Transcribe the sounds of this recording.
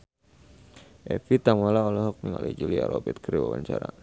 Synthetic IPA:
ʔɛfit̪amalaɔlɔɦɔk̚miŋa̰lɛd͡ʒulia̰ɾɔbɛt̪̚kɾiwawa̰ɲt͡ʃaɾa̰

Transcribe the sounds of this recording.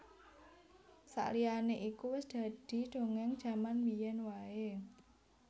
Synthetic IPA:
sa̰ʔlianeʔikuwɪsd̪̥a̤d̪̥i̤d̥o̤ŋɛŋd̥ʒ̥ä̤manbijɛnwae

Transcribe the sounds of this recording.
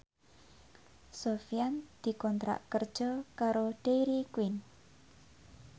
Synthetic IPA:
sofijand̪̥i̤kɔnt̪ɾa̰ʔkərd̥ʒ̥ɔkaɾoɖ̥eɾikwin

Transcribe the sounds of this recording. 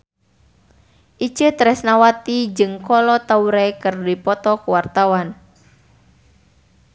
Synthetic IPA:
ʔit͡ʃət̪ɾɛsnawat̪id͡ʒɨŋkɔlɔt̪auɾekɨrdipɔt̪ɔkwart̪awan

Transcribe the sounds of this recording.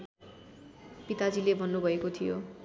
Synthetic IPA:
pit̪ad͡zilebʱʌnːubʱʌekot̪ʰijo

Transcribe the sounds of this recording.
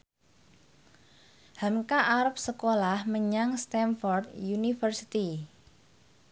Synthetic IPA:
hamkaʔaɾəp̚səkolahməɲaŋst̪ɛnfɔrd̪junifərsi̥t̪i

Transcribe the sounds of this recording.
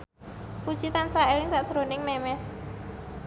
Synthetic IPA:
pu̥t͡ʃit̪ansaelɪŋsaʔsəɾonɪŋmɛmɛs

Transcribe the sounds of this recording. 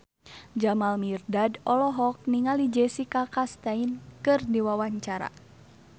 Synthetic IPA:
d͡ʒamalmirdadɔlɔɦɔk̚niŋalid͡ʒɛsikakast̪ainkɨrdiwawaɲt͡ʃaɾa̰

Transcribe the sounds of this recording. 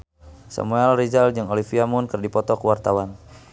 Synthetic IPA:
sa̰muɛlrid͡ʒald͡ʒəŋolifiamunkərdipɔt̪ɔkəwart̪awan

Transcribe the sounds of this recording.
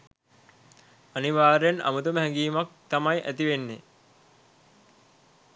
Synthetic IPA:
aniʋaːɾejana̰mut̪uməɦɛŋɡiːmak̚t̪amajʔæt̪iʋenːe

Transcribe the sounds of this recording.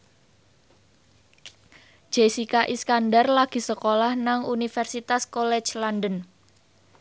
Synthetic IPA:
d͡ʒ̥esikaʔiskandarlaɡ̥i̤səkolahnaŋunifɛrsit̪askolɛ̥t͡ʃlandən

